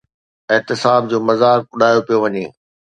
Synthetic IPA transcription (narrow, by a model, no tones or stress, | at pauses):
ɪɦt̪ɪsaːb̚d͡ʑoːmɐzaːk̚ʊɗʱaːjopijoʋɐɲeː